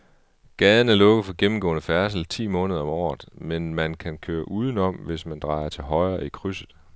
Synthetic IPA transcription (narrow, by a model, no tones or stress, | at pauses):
ɡ̥ɛːðˠənæɐlɔ̽ɡəð̩ˠfɒ̽ɡ̥emm̩ɡɔ̰̽ːnəfæɐs̬l̩t͡sʰḭːmɔ̽ːnəð̞ˠɐɒ̽mɒ̰ːð̩ˠmenmænkʰænkʰøːɐʔuːð̞ˠən̩ɒ̽m̰ʋe̝smænd̥ʁɑ̈ɪɐt͡sʰe̝lɦɒ̽ɪɐːikʰʁysð̩ˠ